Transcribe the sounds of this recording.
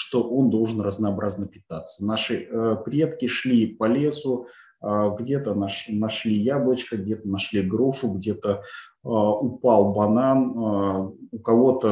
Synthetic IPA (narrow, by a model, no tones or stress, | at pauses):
ʂt̪o̞ʔo̞nd̪o̞lˠʐɨnrəznəɐbɾʔaznəpʲɪt̪at̪sənaʂɨəpɾʲe̞t̪kʲɪʂlʲipɐlʲe̞sʊ | əɡdʲe̞t̪ənɐʂnɐʂlʲijablˠət͡ɕkəɡdʲe̞t̪ənɐʂlʲiɡɾuʂʊɡdʲe̞t̪ə | ʊpalˠbɐnan | ʊkɐvo̞t̪ə